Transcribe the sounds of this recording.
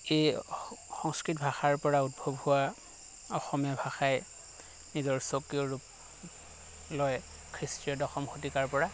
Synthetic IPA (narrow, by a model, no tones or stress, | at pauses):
ejxɔŋskɹitbʱaxaɹpɔɹaut̚bʱobhuwa | ɔxɔmɔbʱaxaj | nizɔɹsokiɔɹup̚ | lɔj | kʰɹistɹiɔdɔxɔmkʰotikaɹpɔɹa